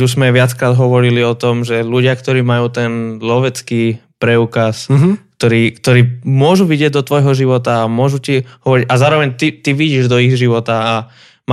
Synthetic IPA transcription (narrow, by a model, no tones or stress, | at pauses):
t̪uzmɛʋɪat͡skɾaːd̪ɦɔʋɔɾiliɔt̪ɔmʒɛluɟɪakt̪ɔɾiːmajuːt̪ɛnlɔʋɛt͡ski | pɾɛukaskt̪ɔɾiːkt̪ɔɾiːmʊɔʒuʋiɟɪɛɟ̚d̪ɔt̪ʋɔjɦɔʒiʋɔt̪aːmʊɔʒutiɦɔʋɔɾiɟazaːɾɔʋɛɲt̪it̪iʋiɟiːʒd̪ɔiɣʒiʋɔt̪aː | m